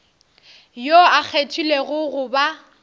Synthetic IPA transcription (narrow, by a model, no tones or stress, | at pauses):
joak͡xʰetʰuleɣʊɣʊba